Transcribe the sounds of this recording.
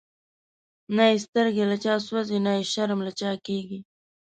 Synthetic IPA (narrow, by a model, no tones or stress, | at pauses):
naest̪əɾɡelat͡ʃɑːswazenaeʃaɾmlat͡ʃɑkeɡi